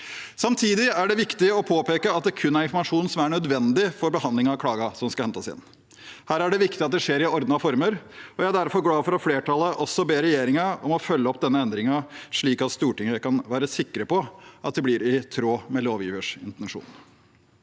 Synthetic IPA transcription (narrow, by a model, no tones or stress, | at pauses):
sɑmt̪ʰiːd̪ɪæɖɛʋɪkt̪ɪɔpʰoːpeːkəɑt̪̚d̪ɛkʰʉnːæɾɪnfɔmɑʂuːnsɔmæɳœd̪ʋɛnd̪ɪfɔɾbəhɑnd̪lɪŋɑɑkʰlɑːɡɑsɔmskɑhɛnt̪əsɪ̰nː | hæːɾæɖɛʋɪkt̪ɪɑt̪̚d̪ɛʂeːɾɪɔɾd̪nɑfɔɾməɾɔjæɪæɖ̪æɾfɔɾɡlɑːfɔɾɑfleːʈʰɑlːˠəʔɔsɔbeːɾɛjeːɾɪŋɑɔmɔfœlːəɔpːd̪ɛnːəɛnd̪ɾɪŋɑʂɭiːkɑt̪st̪uːʈɪŋːəkɑnʋæːɾəsɪkːɾəpɔʔɑ̰t̪̚d̪ɛblɪɾɪt̪ʰɾoːmɛloːʋjḭːʋəʂɪnt̪ɛnʂṵːn